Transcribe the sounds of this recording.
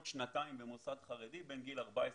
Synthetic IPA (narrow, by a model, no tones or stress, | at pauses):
tʃnataimbemosad̪χaʁedibenɡilaʁbaes